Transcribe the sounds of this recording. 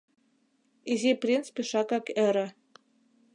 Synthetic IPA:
izʲiprʲint͡spʲiʃɑkɑkɘ̆ɾɘ̆

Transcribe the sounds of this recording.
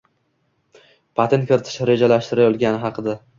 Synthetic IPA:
pʰat̪ʰɪn̚kʲɪɾɪt̪ʰɪ̥ʃɾe̞d͡ʒalaʃt̪ɪɾajɒlˠɡʲanɪɦɑqʰɨd̪a

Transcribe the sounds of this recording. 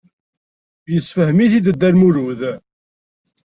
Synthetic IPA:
jəsfəhmiθid̪əd̪ːæɾmuɾuð

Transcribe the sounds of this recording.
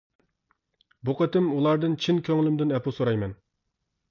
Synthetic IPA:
buqʰət̪ɪmulˠɑɾd̪ɨnt͡ʃʰinkʲʰøŋlymd̪ɪnɛpʰusoɾɑjmɛn

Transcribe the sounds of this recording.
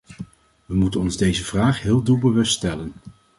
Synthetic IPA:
ʋəmutənɔnzdejzəv̥raːχɦɪːlˠdubəʋɵststɛlən

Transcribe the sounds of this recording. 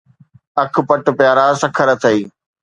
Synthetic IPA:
ɐk̆ʰpɐʈ̆pɪjaːɾasɐkʰəɾət̪ʰɐiː

